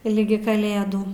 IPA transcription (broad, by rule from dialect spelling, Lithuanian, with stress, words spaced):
ˈlʲɪɡʲɪ kɐˈlʲeːduː